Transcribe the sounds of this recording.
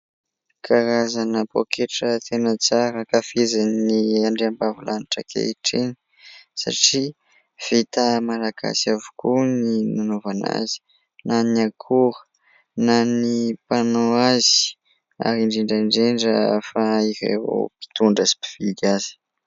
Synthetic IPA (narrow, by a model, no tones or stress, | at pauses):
kʰaɾazanəpo̰kʰeʈ͡ʂət̪ʰenət͡saɾəkafezanniaɳɖ͡ʐeambavulʔaniʈ͡ʂə̰kʰḛiʈ͡ʂeni | sa̰ʈ͡ʂi | v̥it̪əmalaɡa̰siavu̥kuninanovana̰zi̥ | naniakʰuɾə̥ | nanipanoazi̥ | a̰ɾiɳɖ͡ʐiɳɖ͡ʐaɳɖ͡ʐeɳɖ͡ʐəfaiɾḛvo̰pi̥t̪uɳɖ͡ʐazi̥pi̥v̥id̪azi̥